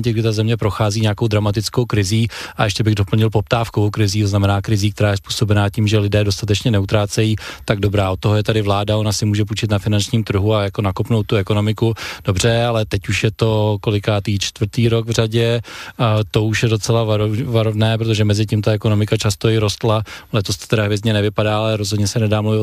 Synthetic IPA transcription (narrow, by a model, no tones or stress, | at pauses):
cɪɡdɪt̪azɛmɲɛpɾo̞xaːziːɲeakowd̪ɾamat̪ɪt͡sko̞wkɾɪziːʔa̰ʔɛʃcɛbɪɣdo̞pl̩ɲɪlpo̞p̚t̪aːfkovowkɾɪziːt̪oznamɛnaːkɾɪziːk̚t̪ɛɾaːjɛspu̥ːso̞bɛnaːciːmʒɛlɪdɛːdo̞st̪at̪̬ɛt͡ʃɲɛnɛut̪ɾaːt͡sɛjiːt̪aɡdo̞bɾaːot̪ːoɦojɛt̪adɪvlaːdao̞nasɪmuːʒɛp̬ut͡ʃɪt̪nafɪnant͡ʃɲiːmt̪r̩ɦuajako̞nakopnowt̪ːuɛko̞no̞mɪkud̥o̞br̝ɛalɛt̪ɛcuʃjɛt̪o̞ko̞lɪkaːt̪iːt͡ʃt̪vɾ̩t̪iːɾo̞ɡvraɟɛ | t̪o̞uʃjɛdo̞t͡sɛlavavaɾovnɛːpɾot̪̬oʒɛmɛzɪciːmt̪aɛkono̞mɪkat͡ʃast̪oɪɾo̞st̪lalɛt̪ost̪t̪ɛɾaɦvɪzɲɛnɛvɪpadaːalɛɾozɦodɲɛsɛnɛdaːmluvɪt̪